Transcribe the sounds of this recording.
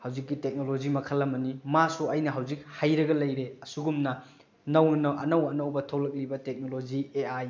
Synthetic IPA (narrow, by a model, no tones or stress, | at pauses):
hawzikːitek̚nolod͡ʒimɐkʰɐlːɐmɐnimasuɐjnɐɦawzik̚hajɾɐɡɐlɐjɾeɐsuɡumnɐ | nɐwnnɐʔɐ̰nɐwɐnɐwbɐtʰɐwlɐk̚libɐtek̚nolod͡ʒieaj